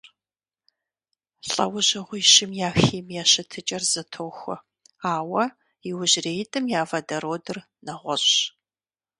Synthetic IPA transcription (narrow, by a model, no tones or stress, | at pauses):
ɬʼɐ̰wʊʑɐʁʷʊjʃɪmjaːxiːmjaːɕɐtʰɨt͡ʃʼɐrzɨtʰoːxʷʊ̰ | aːwɐ | ɪwʊʑreːjtʼɨmjaːvɐdɐɾoːdɨr | nɐʁʷɔɕ